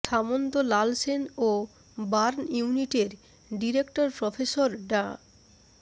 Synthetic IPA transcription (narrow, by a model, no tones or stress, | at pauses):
t̪ʰamond̪olalseno | baɾnjuuniʈeɾ | ɖiɾekʈoɾpɾɔfʰesoɾɖa